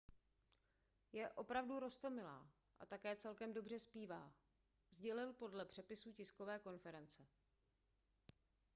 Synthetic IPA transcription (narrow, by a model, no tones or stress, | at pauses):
jɛʔo̞pɾavduɾo̞st̪o̞mɪla̰ː | ʔa̰t̪akɛːt͡sɛlkɛmdo̞br̝ɛspiːvaː | zɟɛlɪlpo̞dlɛpr̥ɛpɪsuːcɪsko̞vɛːko̞nfɛɾɛnt͡sɛ